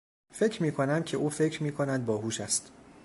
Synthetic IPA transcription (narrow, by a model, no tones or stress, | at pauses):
fe̞cʰɾmiːkʰonæmcʰeʔuːfe̞cʰɾmiːkʰo̞næd̪̚bɒːɦuːʃæst̪